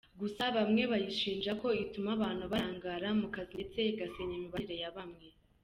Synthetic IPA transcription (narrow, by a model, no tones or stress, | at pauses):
ɡusaβamŋe̞βajiʃiːnd͡ʒako̞itumaβaːn̥huβaːŋɡaɾamukazit͡se̞ɡaseɲemuβaɾe̞jaβamŋe̞